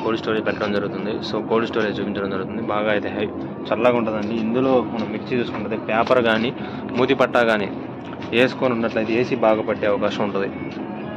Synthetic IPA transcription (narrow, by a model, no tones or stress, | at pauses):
koːlsʈoːɾipɛʈːɐɽɐmd͡ʒɐɾɡut̪und̪isoːkoːlsʈoːɾit͡ʃuːpiɲt͡ʃɐɽɐmd͡ʒɐɾɡut̪und̪ibaːɡaːit̪eːɦɐj | t͡ʃɐlːaːɡauɳʈud̪ɐɳɖiːnd̪ulo̞ːmɐnɐmʋiʈt͡ʃːit͡ʃuːsukuɳʈud̪ipaːpɐɾɡaːni | muːd̪ipɐʈːaːɡaːnḭː | e̞ːsu̥koːnunːɐʈlɐid̪ie̞ːsibaːɡɐpɐʈːeːɐʋɐkaːʃɐmuɳʈund̪i